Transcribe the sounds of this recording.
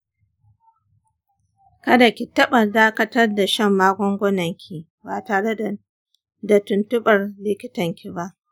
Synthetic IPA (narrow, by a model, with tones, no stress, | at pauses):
kɐ˦da˨kʲi˨tɐ˦ɓɐ˨daː˦kɐ˦tɐ˦rda˨ʃɐ˦mːaː˦ɡʷɔ˦ŋɡʷɔ˦nɐ˨ŋkʲʰi˨ | baː˨taː˨ɽe˦d | da˨tʊ˨ntʊ˦ɓɐ˨rlɪ˦kʲɪ˦tɐ˨ŋkʲi˨ba˦ʔ